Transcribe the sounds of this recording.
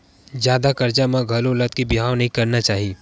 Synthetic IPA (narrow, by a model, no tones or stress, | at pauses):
d͡ʒjaːd̪akɐɾd͡ʒamãɡʱɐlolət̪̚kibɪɦaːwnɐɦĩkɐɾnat͡ʃaːɦiː